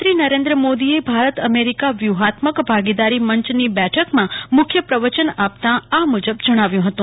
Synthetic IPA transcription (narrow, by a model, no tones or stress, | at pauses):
t̪ɾinəɾẽnd̪ɾəmod̪iebʱaɾət̪əmeɾikaʋjuɦat̪məkbʱaɡid̪aɾiməɲt͡ʃnibɛʈʰəkmãmʊkʰjəpɾəʋət͡ʃənap̚t̪ãamud͡ʒəbd͡ʒəɽ̃aʋjũɦət̪ũ